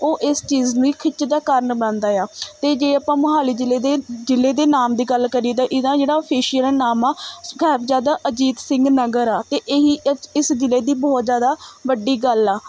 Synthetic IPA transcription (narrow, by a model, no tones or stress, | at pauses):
oːʔɪst͡ʃiːznũːiːkʰɪt͡ʃːd̪aːkəɾəɳbəãːnd̪aːjaːt̪eːd͡ʒeːaːpãːmʊɦaːliːd͡ʒɪlːeːd̪eːd͡ʒɪlːeːd̪eːnaːmd̪iːɡəlkəɾiːd̪aːʔɪd̪ãːd͡ʒeːɽaːpʰiːʃəlnaːmaːɡɛːbzjaːd̪aːʔəd͡ʒiːt̪sɪ̃ŋɡnəɡəɾaːt̪eːʔeːɦiːɪsd͡ʒɪlːeːd̪iːbɔːt̪zjaːd̪aːʋəɖiːɡəlaː